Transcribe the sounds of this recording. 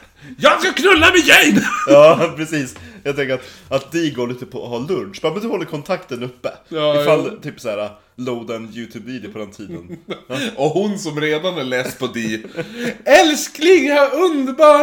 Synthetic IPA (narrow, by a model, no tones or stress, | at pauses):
jɑːsakʰnɵlːamɛjɛjnjɑːpʰɾɛsiːsjɑɡt̪ɛŋkəɾat̪ | at̪̚d̪ɪɡoːɾɭiːt̪əpʰɔɦɑːlɵnʂbɑːmɛnd̪ɵhɔlːəɾkʰɔnt̪ʰakt̪ənɵpːəɪfalːt̪ʰyːpsɔhæːɾa | loːd̪anjʉːt̪ʰʉːbiːd̪ɪpʰɔd̪ɛnt̪ʰiːd̪ənː | ɔhʊnsɔmɾeːd̪anhaɭɛːst̪̚pʰɔd̪i | ɛlsknɪŋaɵnd̪əbɑː